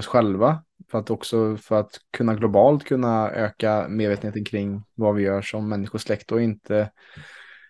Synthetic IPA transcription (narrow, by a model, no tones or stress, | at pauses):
ɔsɧɛlva | fœɾat̪ɔksɔfœɾat̪kʰɵnːaɡlʊbɑːlt̪kʰɵnːaø̰ːkameːd̪veːt̪ənet̪ənkʰɾɪŋːvavɪjœːʂɔmːɛnːɪɧʊʂlɛkt̪ɔɪnt̪ʰə